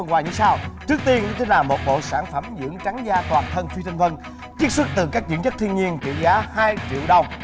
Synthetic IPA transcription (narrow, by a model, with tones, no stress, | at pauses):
ŋkwaː˨˩ɲɨ̰˧˩˦saː˧wt͡ɕɨ˦˥ək̚t̪i˧əkt͡ɕi˧nlaː˨˩mo˨˩t̚ɓo̰˧˨saː˧˩nfə˧˩mzɨ̰˧˥əŋt͡ɕa˨˦ŋzaː˧˩t̪waː˨˩nt̪ʰə˧nfi˧t̪ʰa˧ŋ̟və˧n | t͡ɕi˦˥ək̚swə˦˥t̚t̪ɨ˨˩kaː˦˥k̚zḭ˧˥ənt͡ɕə˦˥t̪ʰi˧ənɲi˧ənkḭ˧˨zaː˨˦haː˧jt͡ɕḭ˧˨əwɗə˨˩wŋ͡m